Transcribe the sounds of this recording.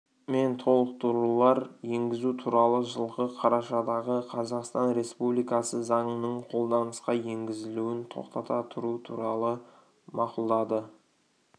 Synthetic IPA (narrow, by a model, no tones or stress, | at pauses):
me̞nt̪ʰo̞lˠəq̚t̪ʰuɾulˠɑɾje̞ŋɡʲɪzut̪ʰuɾɑlˠəʒəlˠʁəqʰɑɾɑʃɑd̪ɑʁəqʰɑzɑqst̪ɑnɾe̞spublˠijkɑsəzɑɴənəɴqʰo̞lˠd̪ɑnəsqɑje̞ŋɡʲɪzɪluwɪnt̪ʰo̞̰qt̪ɑt̪ɑt̪ʰʊɾut̪ʰuɾɑlˠə | mɑqʊlˠd̪ɑd̪ə